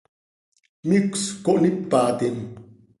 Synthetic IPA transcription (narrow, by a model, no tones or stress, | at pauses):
mikskoʔnipːaːt̪en